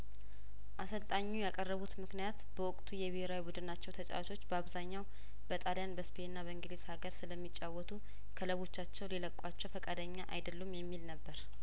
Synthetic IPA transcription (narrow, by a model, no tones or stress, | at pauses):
ʔasəlt̪ʼaɲːujakʼərːəβut̪mɨknijat̪b̥əwɔkʼt̪ʰujɛβɪheɾawibud̪ɨnat͡ʃːɛwt̪ʰət͡ʃʼa̰wt̪ʰo̞t͡ʃːbəaβzaɲːaw | bət̪ʼaljanbəspʰenːaβəɨŋɡleshaɡəɾsɨləmːit͡ʃʼːawːɔt̪ʰu | kʰələβo̞t͡ʃːat͡ʃːɛwliləkʼːat͡ʃːɛwfəkʼad̪əɲːaʔa̰jd̪əlːumːjɛmːilnəbːəɾ